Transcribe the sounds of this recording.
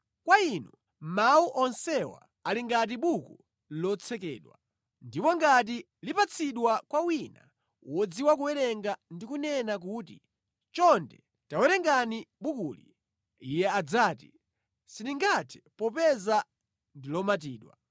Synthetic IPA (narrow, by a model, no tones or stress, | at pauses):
kwainu | mauʔɔnsɛwa̰ | aliŋɡat̬iɓuku | lɔt͡sʰɛkɛːɗwa | ndipɔŋɡat̬i | lipat͡sʰiɗwakwawina | wɔd͡ziwak̬uwɛɾɛŋɡandikunɛnak̬ut̬ḭ | t͡ʃɔndɛ̰ | tawɛɾɛŋɡaniɓukulḭ | ijɛad͡zaːti | siniŋɡatʰɛ̥pɔpɛza | ndilɔmat̬iːɗwa̰